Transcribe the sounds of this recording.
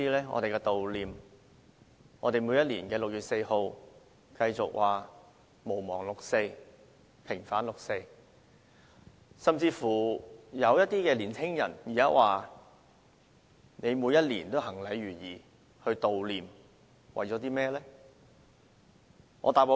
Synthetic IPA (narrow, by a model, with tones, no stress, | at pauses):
iː˥lɛː˥ŋɔ̰˧t̪e˨jkɛː˧t̪o˨wliː˨m | ŋʔɔ̰ː˨˧t̪e˨jmu˨˧jɐ˥t̚liː˨˩nkɛː˧lʊ˨k̚jɥyː˨t̚se˧jho˧w | kɐ˧jt͡sʊ˨k̚wʔaː˨ | mo˨˩wmɔ̰ː˨˩ŋlʊ˨k̚se˧j | pʰɪ˨˩ŋfaː˨˥nlʊ˨k̚se˧j | sɐ˨mt͡siː˧fuː˨˩jɐ˨˧wjɐ˥t̚t̪ːiː˥kɛː˧liː˨˩nt͡sʰɪ˥ŋjɐ̰˨˩njiː˨˩a˦˥waː˨ | ne˨˧jmuː˨˧jɐ˥t̚liː˨˩nt̪o˥wɦɐ˨˩ŋlɐ˨˧˥jɥyː˨˩jiː˨ | hɵ˧ɥt̪o˨wliː˨m | wʔɐ˨jt͡sɔː˨˥t̪iː˥mɛː˥lɛː˥ | ŋʔɔ̰˧t̪aː˨po˨˧